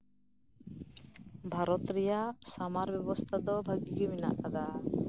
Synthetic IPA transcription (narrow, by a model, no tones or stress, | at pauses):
bʱaɾɔt̪ɾijasamaɾbɛbɔst̪ʰad̪ɔbʱaɡikebina̰ʔad̪a